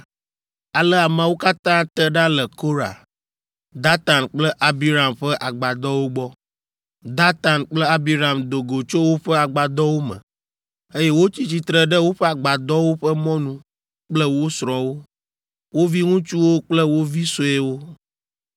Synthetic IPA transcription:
a˨lə˦a˨mã˨wo˦ka˦t̪ã˦t̪ə˦ɖa˦lɛ˨ko˦ɾa̰˨ | d̪a˦t̪a˨nk͡plə˦ʔa˦bi˦ɾa˨mɸɛ˦ʔa˨ɡ͡ba˨d̪ɔ˦wo˦ɡ͡bɔ˦ | d̪a˦t̪a˨nk͡plə˦a˦bi˦ɾa˨md̪o˨ɡo˨t͡ʃo˦wo˦ɸə˦a˨ɡ͡ba˨d̪ɔ˦wo˦mə̰̃˨ | e˦jɛ˦wo˦t͡ɕi˦t͡ɕi˦t̪ɾə˨ɖə˦wo˦ɸɛ˦a˨ɡ͡ba˨d̪ɔ˦wo˦ɸə˦mɔ̃˦nũ˦ | k͡plə˦wo˦sɾɔ̃˨wo˦ | wo˦vi˦ŋũ˦t͡ʃu˦wo˦k͡plə˦wo˦vi˦so˦ɛ˦wo˦

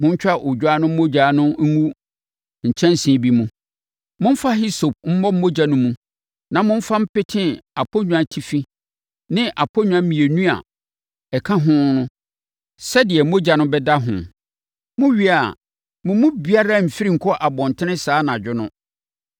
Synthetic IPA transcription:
mʊ̃˦ɲ̩˦t͡ɕᶣa˦˨ʔo˨˦a˦nʊ̃˦m̩˦mo˦d͡ʑa˨˦˨nʊ̃˦m̩˦ŋũ˦ | ɲ̩˨t͡ɕʰɛ̃˦n˦sĩ˨˦bi˦mũ˦ | mʊ̃˦m̩˦fa˦ɦi˦so˨p̚m̩˦mɔ˦m̩˦mo˦d͡ʑa˨nʊ̃˦mũ˦ | nã˨mʊ̃˦m̩˦fa˦m̩˦pɪ˦tʰɪ̃˦a˨pʰo˦ɲᶣũ˦ã˨tʰi˦fi˦ | nɪ̃˦ʔa˨pʰo˦ɲᶣũ˦ã˦mĩ˨e˨nũ˦a̰˨ | ɛ˨kʰã˦ɦʊ̃˦nʊ̃˦ | sɛ˦dɪ˨ɛ˨˦mo˦d͡ʑa˨nʊ̃˦bɛ˦da˦ɦʊ̰̃˨ | mʊ̃˦ɥi˦a˨ | mʊ̃˨˦mũ˦bi˦a˦ɾa˦m̩˨fi˦ɾĩ˦ŋ̩˨kʰɔ˦ʔa˨bɔ̃˨n˨tʰɪ˦nɪ̃˦saː˦nã˨d͡ʑᶣʊ˦nʊ̰̃˦

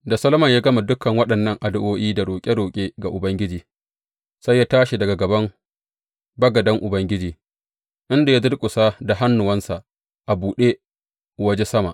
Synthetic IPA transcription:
da˨sɐ˦lmɐ˨ɲjaː˦ɡɐ˦ma˨dʊ˦kʰɐ˨ŋwɐ˦ɗɐ˨nːɐ˦˨ŋʔa˨dʊ˦ʔoː˦ʔiː˦da˨ɽoː˨kʲʼe˦ɽoː˨kʲʼeː˦ɡa˨ʔʊ˨bɐ˦ŋɡʲɪ˦d͡ʒiː˨ | sa˦jːaː˦taː˦ʃi˨dɐ˨ɡa˨ɡɐ˨bɐ˦m | bɐ˦ɡɐ˨dɐ˦ŋʔʊ˨bɐ˦ŋɡʲɪ˦d͡ʒiː˨ | ʔɪ˦nda˨ja˦dʊ˦ɽkʷʼʊ˨sa˦da˨ɦa˦nːʊ˨wɐ˦nsa˨ʔ | ʔa˨buː˨ɗe˦ | wɐ˦d͡ʒe˦sɐ˦ma˨ʔ

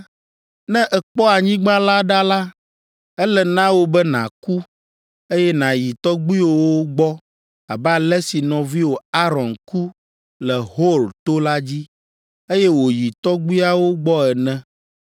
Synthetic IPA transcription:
nɛ̃˦ʔɛ˨k͡pɔ˦a˨ɲĩ˦ɡ͡bã˦la˦ɖa˦la˦ | ɛ˦lɛ˨nã˦wo˦bɛ˦nã̰˨ku˦ | e˦jɛ˦nã˨ji˨t̪ɔ˦ɡ͡bu˦i˦wo˨wo˦ɡ͡bɔ˦ | a˨bɛ˦a˨lɛ˦si˨nɔ̃˨vi˦wo˨a˦ɾɔ̃˨nku˦ | lɛ˨ɦo˦lt̪o˦la˦d͡ʑi˦ | e˦jɛ˦wo˨ji˨t̪ɔ˦ɡ͡bi˦a˨wo˦ɡ͡bɔ˦ɛ˨nɛ̃˦

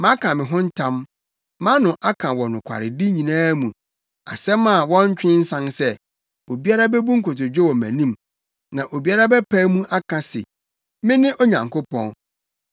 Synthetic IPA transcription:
mã˦kʰã˨mɪ̃˨ɦʊ̃˦n̩˦tʰã˦mː | ã˦nʊ̃˨ʔa˦kʰã˨wɔ˨nʊ̃˨kʷʰa̰˨ɾɪ˨di˦ɲĩ˨nãː˦mũ˨ | a̰˨sɛ˦ma˨wɔ̃˦ɲ˦t͡ɕᶣɪ̃˦n̩˦sã˦nsɛ˦ | o˨bi˦a˦ɾa˦bɛ˦bu˦ŋ̩˦kʊ˨tʊ˨d͡ʑᶣɛ˦wɔ˨mæ̰̃˨nĩ˦m | nã˨ʔo˨bi˦a˦ɾa˦bɛ˦pʰæ˦mũ˦ʔa˦kʰã˨sɪ̰˨ | mɪ̃˦nɪ̃˦ʔɔ˦ɲã˨ŋkʰo˦pʰɔ̰̃˦˨n

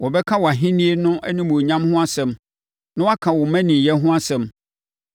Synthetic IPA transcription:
wɔ˨bɛ˦kʰã˦wɔ˨a˨ɦĩ˦nĩ˦e˦nʊ̃˦ʔɛ̰˦nĩ˦mũ˨ɲã˦mhʊ̃˦a˦sɛ̃˨m | nãʊ̃˦wa˦kʰã˨wɔ˨mæ̃˦nĩ˨jɛ˦ɦʊ̃˦a˦sɛ̃˨m

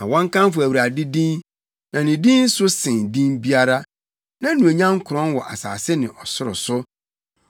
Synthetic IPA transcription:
ã˨wɔ̃˦ŋ˦kã˦m˦fʊ˨æ˨wi˨ɾa˨dɪ˦dĩ˦n | nã˨nɪ̃˨dĩ˦n̩˦sʊ˦sɪ̃˨ndĩ˦nbi˦a˦ɾa˦ | nã˦nũ˨e˨ɲã˦ŋ̩˦kʰʊ˨ɾɔ̃˦nwɔ˨ʔa̰˨sa̰ː˨sɪ˦nɪ̃˨ʔɔ˨sʊ˦ɾʊ̰˨sʊ˦

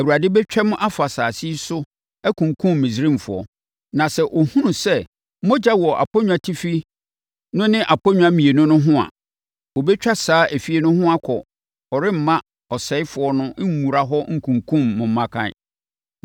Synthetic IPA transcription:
æ˨wu˨ɾa˨dɪ˦bɛ˦t͡ɕᶣɛ˦m̃˦ʔa˦fa˨saː˨si˦sʊ˦ | æ˦kʰũ˨ŋkʰũ˦mːĩ˨s̬ɾĩ˦m˨fʊ˨ɔ̰˨ | nã˨sɛ˨ʔo˨hũ˦nũ˨sɛ˦ | mɔ̃˦d͡ʑa˦wɔ˨ʔa̰˨pʰɔ˦ɲ̃ᶣ˦a˨tʰi˦fi˦ | nʊ̃˦nɪ̃˦ʔa˨pʰɔ˦ɲ̃ᶣ˦ã˦mĩ˨e˨nʊ̃˦nʊ̃˦ɦʊ̃˦a̰˨ | o˨bɛ˦t͡ɕᶣa˦saː˨˦ʔæ˨fi˦e˨nʊ̃˦hʊ̃˦a˦kʰɔ˨ | ɔ˨ɾɪ˦m̩˨mã˦ | ɔ˨sɛ˨˦ɪ˦fʊ˨ɔ˦nʊ̃˦mũ˨ɾa˦ɦɔ˦ŋ̩˨kʰũ˨ŋkʰũ˦mːʊ̃˨m̩ː˦ã˦kʰã̰˨

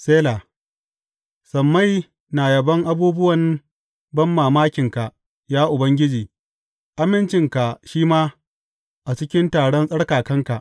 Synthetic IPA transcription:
seː˦la˨ | sɐ˨mːa˦j | na˨jɐ˨bɐ˦ŋʔa˦buː˦bʊ˦wɐ˨n | bɐ˦mːaː˨maː˦kʲɪ˨ŋka˨ʔ | jaː˦ʔʊ˨bɐ˦ŋɡʲɪ˦d͡ʒiː˨ | ʔa˦mɪ˦nt͡ʃɪ˨ŋka˨ʃiː˦maː˦ | ʔa˨t͡ʃɪ˦kʲɪ˦ntaː˨ɽɔ˦nsʼɐ˦ɽkaː˨kɐ˦ŋka˨ʔ

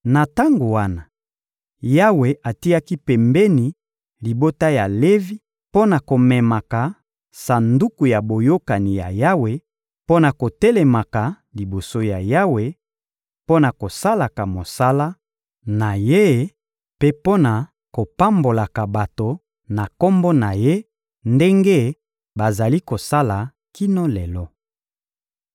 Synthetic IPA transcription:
na˨ta˦ŋɡo˨wa˦na˨ | ja˦we˨ʔa˨ti˦a˦ki˦pɛ˨mbɛ˦ni˨ | li˨bo˦ta˦ja˨le˦vi˦ | po˦na˨ko˨mɛ˨ma˨ka˨ | sa˨ndu˦ku˨ja˨bo˨jo˦ka˨ni˨ja̰˨ja˦we˨ | po˦na˨ko˨te˦le˨ma˨ka˨ | li˨bo˨so˦ja˨ja˦we˨ | po˦na˨ko˨sa˦la˨ka˨mo˨sa˦la˦ | na˨je˦ | pe˦po˦na˨ | ko˨pa˦mbo˨la˨ka˨ba˨to˨ | na˨ko˦mbɔ˦na˨je˦ | nde˦ŋɡe˦ | ba˨za˨li˦ko˨sa˦la˨ | ki˦no˦lɛ˨lɔ˦

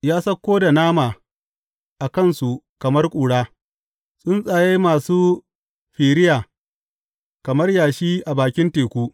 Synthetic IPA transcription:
jaː˦sɐ˦kʷːoː˦da˨naː˦maː˨ | ʔa˨kɐ˦nsu˨kɐ˨mɐ˦rkʷʼuː˨ɽaː˦ | sʼʊ˦nsʼaː˨ja˦jmaː˨suː˦ | ɸiː˨ɾɪ˦jaː˨ | kɐ˨mɐ˦rjaː˨ʃiː˦ʔa˨baː˨kʲɪ˦nteː˨kʷuː˦

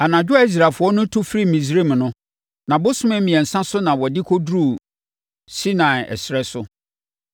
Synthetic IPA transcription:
a˨nã˨d͡ʑᶣʊ˦a˦i˦s̬ɾa˨fʊ˨˦ɔ˦nʊ̃˦tʰʊ˦fɾi˦mĩ˨s̬ɾi˦˨m˨nʊ̃˦ | nã˨bʊ˦sʊ̃˦mɛ̃˦mĩ˨ɛ˨n̩˨sã˦sʊ˦nã˨wɔ˨dɪ˦kʰo˦dɾu˦˨ | si˦nã˨ɛ̰˨sɾɛ˦sʊ˦

